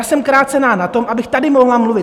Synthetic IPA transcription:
asɛmkɾaːt͡sɛnaːnat̪o̞mʔabɪxt̪adɪmo̞ɦlamluvɪt̪

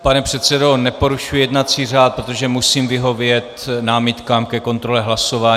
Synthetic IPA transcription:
panɛpr̝̥ɛt̪sɛdo̞nɛpo̞ɾuʃujjɛdnat͡siːr̝aːt̪̚pɾot̪o̞ʒɛmusiːmvɪɦo̞vjɛt̪naːmɪt̪kaːmkɛko̞nt̪ɾo̞lɛɦlaso̞vaː

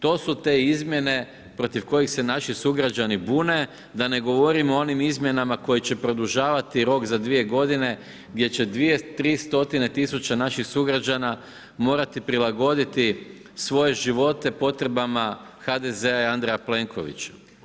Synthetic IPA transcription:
t̪o̞ːsut̪e̞izmʲje̞ne̞ | pɾo̞t̪iʋko̞jixse̞naʃisuɡɾad͡ʒanibuːne̞ | d̪ane̞ɡo̞ʋo̞ɾimoonimizmʲje̞namako̞jit͡ɕe̞pɾo̞d̪uʒaːʋat̪iɾo̞kzad̪ʋie̞ɡo̞d̪ine̞ | ɡd̪je̞t͡ɕe̞d̪ʋije̞t̪ɾiːst̪o̞t̪ine̞t̪isut͡ɕanaʃixsuɡɾad͡ʒana | mo̞ːɾat̪ipɾilˠaɡo̞d̪it̪i | sʋo̞je̞ʒiʋo̞t̪e̞po̞t̪ɾe̞bamaxad̪e̞ze̞aiand̪ɾejaple̞ŋkʰo̞̰ʋḭt͡ɕḁ

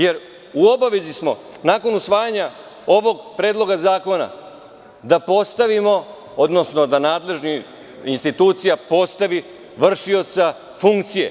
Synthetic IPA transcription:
je̞ɾ | uo̞baʋe̞zismo̞ | naːko̞nusʋaːjaɲa | oʋo̞ɡpɾe̞ːd̪lˠo̞ɡazaːko̞na̰ | d̪apo̞st̪aʋimo̞ | od̪no̞sno̞d̪anaːd̪le̞ʒni | inst̪it̪uːt̪sijapo̞st̪aʋi | ʋr̩ʃio̞t̪sa | fuŋkt̪sije̞̰

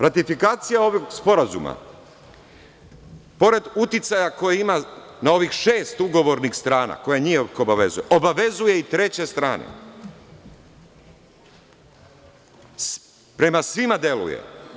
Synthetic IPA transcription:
ɾat̪ifikaːt̪sijao̞ʋoɡspo̞ɾazṵma̰ | po̞ɾe̞d̪ut̪it̪sajako̞jeimanao̞ʋixʃe̞ːst̪uɡo̞ʋo̞ɾnixst̪ɾaːna̰ko̞jaɲijekoobaʋe̞zujeʔo̞baʋe̞zuje̞it̪ɾe̞t͡ɕe̞st̪ɾaːnḛ | pɾe̞masʋimad̪je̞lṵjḛ

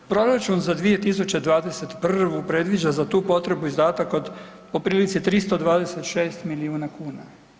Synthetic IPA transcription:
pɾo̞ɾat͡ʃunzad̪ʋije̞t̪is̬ut͡ɕe̞d̪ʋaːd̪e̞se̞t̪pr̩ʋupɾe̞d̪ʋid͡ʒazat̪uːpo̞t̪ɾe̞buizd̪aːt̪akod̪ | po̞pɾiːlit̪sit̪ɾist̪o̞d̪ʋaːd̪e̞se̞t̪ʃe̞ːst̪miliuːnakuːna

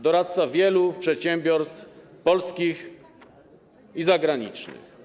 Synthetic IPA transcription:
d̪ɔɾat̪savʲjɛlupʂɛt̪ɕɛmbʲjɔɾst̪fpɔlskʲix | izaɡɾaɲḭt͡ʂnɘ̰x

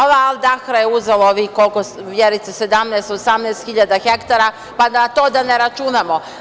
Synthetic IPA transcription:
oʋaalˠd̪axɾajeuzelˠooʋikolkoʋjeɾit̪esed̪amnɛːst̪osamnɛːst̪xiʎad̪axekt̪aɾa | panat̪o̞ːd̪aneɾat͡ʃunamo̞

